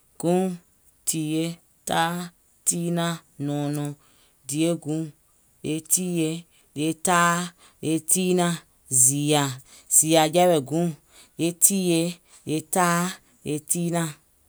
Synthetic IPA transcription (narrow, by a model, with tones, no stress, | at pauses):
ɡ̥ũ˦ | tʰi˨je˦ | taː˦ | ti˦nã˦nɔ̃˨nɔ̃˨˧ | di˨e˦ɡũ˨˦ | e˧tiː˦je˧˦ | le˧taː˦ | e˧ti˦nã˧ | zi˨a˨ | z̥i˨a˨d͡ʒɛ˦wɛ˨ɡũ˦ | je˦tʰiː˦je˧ | je˧taː˦ | je˧tiː˦nã˧˨